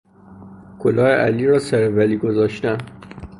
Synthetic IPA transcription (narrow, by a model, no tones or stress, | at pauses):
kʰolɒːeʔæ̰liːɾɒːsæɾævæliːɡozɒːʃt̪æn